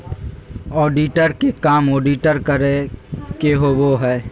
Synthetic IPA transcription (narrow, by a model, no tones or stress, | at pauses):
ɔːɖiʈəɾkekaːmoːɖiʈəɾkəɾekeɦoʋoɦɛː